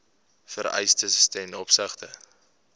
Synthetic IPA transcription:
fəɾɛ̰jstəsstɛnɔpsəχtə

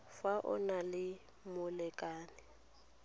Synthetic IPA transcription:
faʔʊ̰nalɪ | mʊlɛkʼaːnɪ

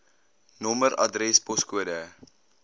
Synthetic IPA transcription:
nɔməɾɐ̰dɾɛspɔskuədə

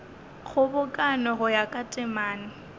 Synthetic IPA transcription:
χʊbʊkʼanɔɣʊjakʼatʼɪmaːnɪ

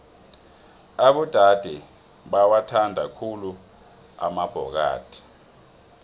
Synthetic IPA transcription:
aɓud̥ʱad̥ʱɛ | ɓawatʰandʱakʰulu | a̰mab̥ʱɔ̰k̬a̰ːtʰʼi̥

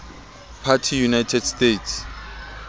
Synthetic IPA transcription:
pʰatʰijunajtʰɛdstetʰs

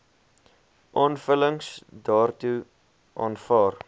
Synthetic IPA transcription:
ʔɑːnfələŋsdɑːrtu | ʔɑ̰ːnfɑːr

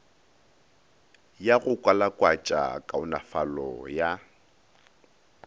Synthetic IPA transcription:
jaɣʊkʼalakʼwat͡ʃʼa̰kʼaʊnafalɔja

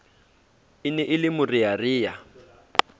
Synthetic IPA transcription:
ɪnɛʔɪlɪmʊrijariːja

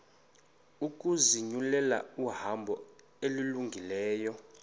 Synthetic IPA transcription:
uk̬ʼuziɲulɛla̰uɦambʱɔ | eliluŋɡʱilɛːjɔ

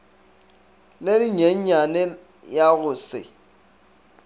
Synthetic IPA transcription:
ledɪɲeɲ̩ɲanɛ | jaɣʊsɪ̰

